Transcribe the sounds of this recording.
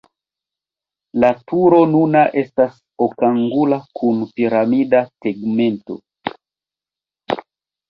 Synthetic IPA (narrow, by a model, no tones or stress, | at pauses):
latuɾo̞nunaʔe̞stas | okaŋɡulakʰunpiɾamidaseɡme̞nto̞̰